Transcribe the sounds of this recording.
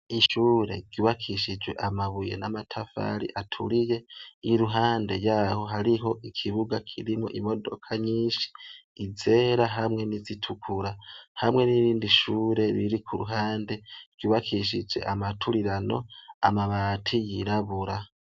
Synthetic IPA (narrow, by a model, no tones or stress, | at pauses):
iʃuːɾe̞̰ɡ̥iβakʰiʃid͡ʒwe̞̰ʔamaβujḛnamatʰafa̰ɾḭʔatʰuɾije̞iɾuɦaːnde̞jaho̞ɦaɾiɦo̞ʔikʰiβuɡakʰiɾimŋo̞ʔimo̞do̞̰kʰaɲiːʃi̥ːze̞ːɾaɦamŋe̞nizitʰukʰuɾahamŋe̞niɾiːndiʃuːɾe̞ɾiɾikʰuɾuɦaːnde̞ɡ̥iβakʰiʃ̬id͡ʒwe̞̰ʔamatʰuɾiɾano̞̰a̰maβatʰijiɾaβuɾa